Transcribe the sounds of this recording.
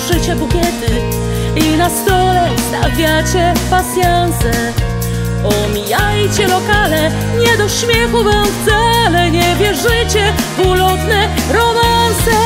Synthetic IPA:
ʐɘt͡ɕɛbukʲjɛt̪ɨ | inast̪ɔlɛst̪avʲjat͡ɕɛpasʲjansɛ | ɔmʲijajt͡ɕɛlɔkalɛ | ɲɛd̪ɔɕmʲjɛxuvamft̪salɛɲɛvʲjɛʐɘt͡ɕɛ | vulɔt̪nɛɾɔmansɛ

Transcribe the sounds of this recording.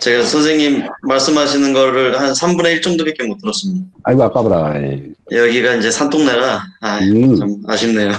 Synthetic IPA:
t͡ɕe̞ɡasʰʌns̬ʰeŋɲimːaɭs͈ɯmɦaɕʰinɯnɡʌɾɯɭhansʰambuneiɭt͡ɕ͈ʌŋdobek͈emot͈ʰɯɾʌs͈ɯmɲidaaɡoak͈abɯɾaḛjʌɡiɡaind͡ʑe̞sʰant͈ʰoŋneɾaaama̰ɕʰimnejo

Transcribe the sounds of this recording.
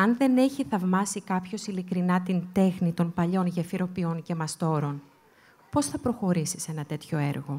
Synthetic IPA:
ɐnðe̞ne̞çiθɐvmɐsikɐpço̞silikɾinɐt̪int̪e̞xnit̪o̞npɐʎo̞nʝefiɾo̞pio̞nce̞mɐst̪o̞ɾo̞n | po̞sθɐpɾo̞xo̞ɾisi̥se̞nɐt̪e̞t̪ço̞e̞ɾɣo̞

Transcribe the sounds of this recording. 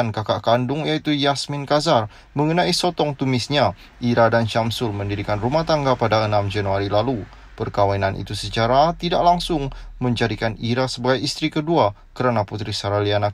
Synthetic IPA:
ankakaʔkandʊŋjait̪ujasmɪnkazar | məŋənaisɔt̪ɔŋt̪umɪsɲa | ʔiɾadanʃamsʊlməndiɾikanrumaht̪aŋɡapadaənamd͡ʒanuaɾilalu | pərkawainanʔḭt̪usət͡ʃaɾat̪idaʔlaŋsʊŋməɲd͡ʒadikaniɾasəbaɡajist̪ɾikədua | kəɾanaput̪ɾisaɾaliana

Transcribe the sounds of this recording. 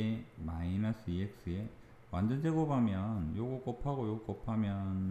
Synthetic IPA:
emainas͈ʰɯiek̚s͈ɯe̞ | wand͡ʑʌnd͡ʑeɡobamjʌnjoɡok͈ʌpʰaɡojoɡok͈ʌpʰamjʌn

